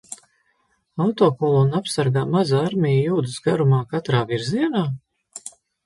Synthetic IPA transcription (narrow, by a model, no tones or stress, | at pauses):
awt̪oːkɔlˠunapsaɾɡaːmazaɾmʲijjuːd̪əsɡaɾumaːkat̪ɾaːviɾziɛnaː